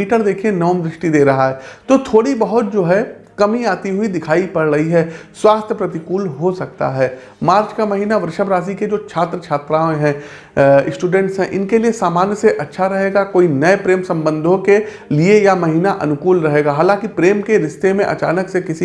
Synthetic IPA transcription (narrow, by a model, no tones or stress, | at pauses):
iːʈəɾd̪eːkʰiẽnɔːmd̪ɾɪʃʈid̪eːɾɐɦaɦɛːt̪ot̪ʰoːɽibɐɦʊt̪̚d͡ʒoːɦɛ | kɐmiaːt̪iɦʊid̪ɪkʰaːipɐɾɾɐɦiɦɛːswaːst̪ʰjəpɾɐt̪ɪkuːlɦosɐk̚t̪a̰ɦɛː | maːɾt͡ʃkamɐɦiːnaʋəɾʃəbɾaːs̬iked͡ʒoːt͡ʃʰaːt̪ɾəkt͡ʃʰaːt̪ɾaːẽɦɛ̃ | ɪsʈuːɖɛ̃ɳʈsɦɛ̃ʔɪnkeliesaːmaːnjəseʔɐtːʃʰaɾɐɦeːɡakoːinɐepɾeːmsɐ̃mbə̃nd̪ʱõke | liejamɐɦiːnaʔɐ̰nʊkuːlɾɐɦeːɡaɦaːlãːŋkipɾeːmkeɾɪʃt̪emẽʔɐ̰t͡ʃaːnəksekɪsi